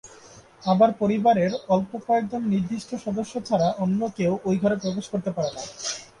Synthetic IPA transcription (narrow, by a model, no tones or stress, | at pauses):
abaɾpoɾibaɾeɾɔlpopajd̪ʱonniɾd̪iʃʈʰoʃɔd̪oʃːot͡ɕʰaɾaʔonːokeoʔojɡʱaɾopɾobeʃkoɾt̪epaɾena